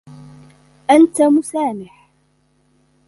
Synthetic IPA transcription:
ʔant̪amʊsaːnɪħ

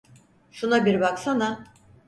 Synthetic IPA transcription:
ʃunabiɾbaksana

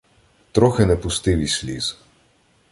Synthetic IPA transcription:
t̪ɾɔxenɛpʊst̪ɪʋʲisʲlʲḭz̥

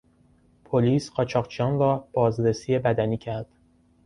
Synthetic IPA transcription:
pʰoliːsɢɒːt͡ʃʰɒːqt͡ʃʰijɒːnrɒːb̥ɒːzɾesije̞bæd̪æniːcʰæɾd̪̥

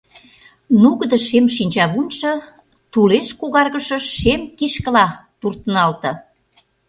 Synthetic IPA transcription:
nuɣəd̪ə̆ʃemʃinʲt͡ɕɑβunʲʃɤ̆ | t̪uleʃkuɣɑrɣə̆ʃə̆ʃemkiʃkə̆lɑt̪urt̪ənɑlt̪ɤ̆

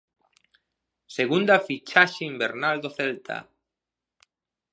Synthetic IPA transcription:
seɣund̪afit͡ʃaʃeimbeɾnald̪oθelt̪ʰa̰

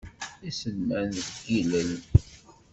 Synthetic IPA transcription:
isənːænɡiləl

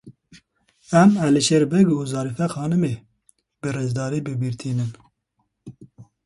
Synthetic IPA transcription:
ɛmæliʃeɾbɛɡuːzɑːɾifɛxɑːnɨme | bɨrezd̪ɑːɾeːbɨbiɾt̪ʰiːnɨn

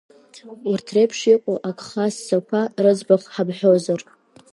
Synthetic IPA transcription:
urtʰrepʰʂiqʷʼoʔakʰʼχasːakʷʰarɨd͡zbaχħabħʷᶣozar

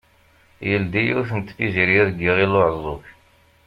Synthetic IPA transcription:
jəld̪ijuθənt̪ːfiziɾjæɾɡiʁiloʕəzˤoç

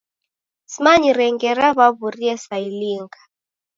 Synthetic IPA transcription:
simaɲiɾɛŋɡɛɾaβaβuriɛsailiŋɡḁ

